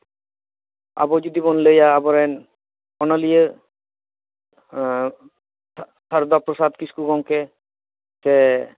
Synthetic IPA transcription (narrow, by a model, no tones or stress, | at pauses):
a̰bɔd͡ʒod̪ibonlejaːbɔɾen | ɔnalije | t̪ʰaɾd̪ɔp̚ɾosad̪kiskuɡɔŋke | se